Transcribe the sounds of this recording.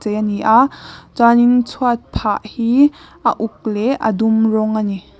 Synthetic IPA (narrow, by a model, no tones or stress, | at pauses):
t͡sejaniʔaʔt͡sanint͡sʰuat̪̚pʰaʔhiːʔə̰ʔuk̚lɛʔə̰d̪umrɔŋani